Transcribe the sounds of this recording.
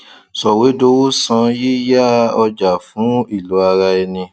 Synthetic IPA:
sɔ˨we˨˦do˧˦wo˦sã˧ji˦ja˦ɔ˧d͡ʒa˨fũ˨˦i˦˨lo˨˦a˧ɾa˧ɛ˧nĩ˧

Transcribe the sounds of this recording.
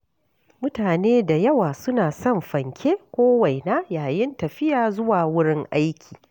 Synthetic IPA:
mʊ˦taː˨neː˦da˨jɐ˦waː˨sʊ˦naː˨sɔ˦˨mɸɐ˨ŋkʲʰeː˦kʷoː˦wɐ˨jna˦jaː˨jɪ˦ntɐ˨ɸɪ˦jaː˨zʊ˦waː˨wʊ˦ɽɪ˦ŋʔa˦jkʲʰiː˨

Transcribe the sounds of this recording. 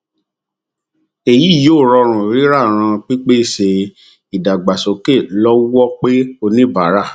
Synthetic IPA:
e˨ji˨˦˨joː˦˨ɾɔ˧ɾ̃ũ˨ɾi˨˦ɾa˦˨ɾ̃ã˧k͡pi˦k͡pe˦˨ʃe˧ | i˨da˨ɡ͡ba˨so˨˦ke˦˨lɔ˦wɔ˦k͡pe˦o˧nĩ˦ba˨˦ɾa˦˨

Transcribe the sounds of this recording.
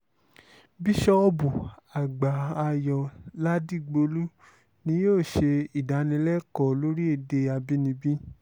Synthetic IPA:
bi˦ʃɔ˦ɔ˧bu˨a˨ɡ͡ba˨a˧jɔ˨la˦di˦˨ɡ͡bo˧lu˦ | nĩ˧˦joː˦˨ʃe˧i˨da˨˦nĩ˧˦lɛ˦kɔ˨lo˦ɾi˦e˦˨de˧a˧bi˦nĩ˧bĩ˦

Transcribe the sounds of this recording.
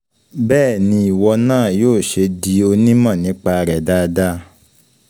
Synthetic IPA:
bɛː˦˨nĩ˧˦i˨wɔ˧nãː˦˨joː˦˨ʃe˧di˧o˧nĩ˦mã˦˨nĩ˨˦k͡pa˧ɾɛ˨da˦˧da˦

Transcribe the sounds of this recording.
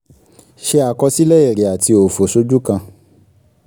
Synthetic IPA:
ʃe˧a˨kɔ˧si˦lɛ˦e˦˨ɾe˨a˨ti˧o˨fo˨so˧d͡ʒu˦kã˧

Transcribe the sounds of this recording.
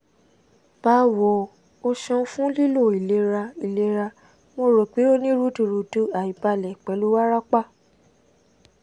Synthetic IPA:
b̥a˨˦wɔ˨ | o˧ʃɔ̃˧˦fũ˦li˦lo˦˨i˨le˨˦ɾa˧i˨le˧˦ɾa˧ | mo˧ɾo˨k͡pe˨˦o˦nĩ˦ɾu˦tu˨ɾu˨tu˦a˨i˨pa˧˨lɛ˨k͡pɛ˨˦lu˦wa˦ɾa˦k͡pa˦˨

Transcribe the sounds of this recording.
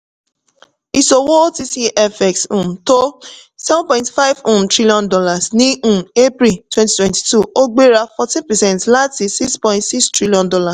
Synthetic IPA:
i˨so˨wo˦o˦ti˦si˦ʔɛ˦fɛ˨ksũ˨mto˦sɛ˦vɔ̃npɔ̃˨j̃ntfa˦jvũ˦˨tɾi˦li˦ɔ̃˦ndɔ˦la˨snĩ˦˨e˦pɾi˨twɛ̃˦nti̥˦twɛ̃˨nti̥˨tu˦o˦ɡ͡be˦ɾa˦fɔ˧tĩ˦npɛ˨sɛ̃˦˨ntla˦ti˨si˦kspɔ̃˨ɪ̃ntsi˦kstɹi˦liɔ̃˦ndɔ˦la˨s

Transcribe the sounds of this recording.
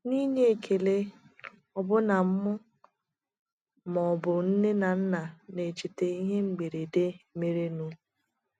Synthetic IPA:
ni˦ne˦e˨kʰe˨le˦ | ɔ˨bʊ˦na˨m̩˦mʊ˦ | mɔ˨bʊ˨n̩˦ne˦na˨n̩˦na˨ne˨t͡ʃe˨te˨i˦ɦe˦ŋ͡m̩˨ɡ͡be˨ɾe˨de˦me˨ɾe˦nu˦

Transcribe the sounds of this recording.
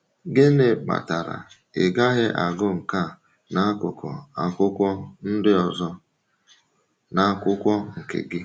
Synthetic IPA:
ɡɪ˦ne˨k͡pa̰˨ta˨ɾa̰˨ | ɪ̰˨ɡa˦ɦɪ˦ʔa˨ɡʊ˦ŋ̩˨ka˦˨ | na˦a˦kʊ˨kʰɔ̰˨a˨kʷʊ˦kʷɔ˦n̩˦dɪ˦ɔ˨zɔ˦ | na˨˦kʷʊ˦kʷɔ˦ŋ̩˨kɪ̰˨ɡɪ˦

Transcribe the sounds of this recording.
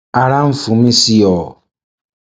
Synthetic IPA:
a˨ɾa˦ɱ̩˦fũ˨˦mĩ˦si˦ɔ˨

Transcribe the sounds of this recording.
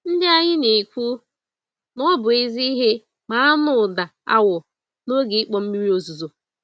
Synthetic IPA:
n̩˦dɪ˦a˦ɲɪ˦ne˨kʷu˦ | nɔ˦bʊ˨i˦zi˦i˦ɦe˦ | ma˨a˦nʊ˨da˨a̰˦wʊ˨ | no˦ɡi˨i˦k͡pɔ˨m̩˦mi˦ɾi˦o˦zu˨zo˨

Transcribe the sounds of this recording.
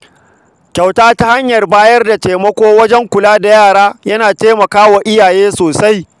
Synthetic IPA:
kʲa˨wtaː˦ta˦ha˦ɲjɐ˨rbaː˦jɐ˦rda˨teː˨mɐ˦kʷoː˦wɐ˦d͡ʒɛ˦ŋkʷʊ˨laː˦da˨jaː˦˨ɽaː˦jɐ˦naː˨teː˦mɐ˨kaː˦wa˨ʔɪ˦jaː˨jeː˦soː˨sa˦j

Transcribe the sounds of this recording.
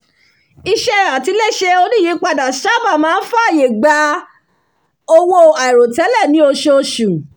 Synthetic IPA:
i˧ʃɛ˧a˨ti˨˧˦le˦˨ʃe˧o˧nĩ˦˨i˨˦k͡pa˧da˨ʃa˦ba˦˨mãː˦n̩˦fa˦˨je˨ɡ͡ba˧˦ | o˧wo˧a˨i˨ɾo˨tɛ˨˦lɛ˦˨nĩ˨˦o˧ʃo˧ʃu˨

